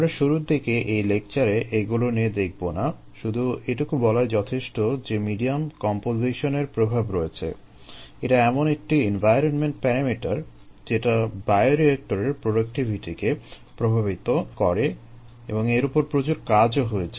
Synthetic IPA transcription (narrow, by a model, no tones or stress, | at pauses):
amɾaʃuɾuɾd̪ikeʔejlek̚t͡ɕaɾeʔeɡulonied̪ek̚ʰbona | ʃud̪ʱueʈukubɔlaed͡ʑɔt̪ʰeʃʈod͡ʑemiɖiamkɔmpoziʃoneɾpɾobʱabɾoet͡ɕʰḛ | eʈaɛmonek̚ʈienvʱajɾonmeɳʈpɛɾamiʈaɾ | d͡ʑeʈabaeoɾiek̚ʈoɾeɾpɾoɖak̚ʈibʱiʈike | pɾobʱaβit̪okɔɾe | eboŋeɾupoɾpɾot͡ɕuɾkad͡ʑoɦoet͡ɕʰe